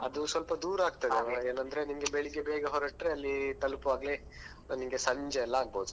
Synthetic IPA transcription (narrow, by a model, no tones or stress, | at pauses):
ɐd̪usʋɐlpɐd̪uːɾaːɡ̚t̪ɐd̪eʋeːnɐnd̪ɾenimɡe̞beɭiɡebeːɡɐɦɔɾɐʈɾeɐlːit̪ɐlupuʋaːɡle | nimɡe̞sɐɲd͡ʒeɛlːɐaːɡ̚bɐud̪u